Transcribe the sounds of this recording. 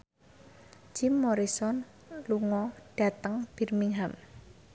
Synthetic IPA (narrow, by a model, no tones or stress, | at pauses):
d͡ʒ̥ɪmːoɾisɔn | luŋɔɖ̥a̤t̪əŋb̥i̤rmiŋɦam